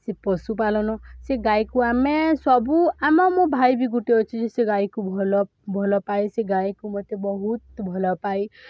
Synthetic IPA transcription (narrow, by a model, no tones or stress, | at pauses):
sepɔsup̬alɔnɔseɡajkuamesɔbuamɔmobʱajbiɡuʈiɔt͡ʃʰid͡ʒeseɡajkubʱɔlɔ | bʱɔlɔpajseɡaikumɔt̪ebɔɦut̪bʱɔlɔpaj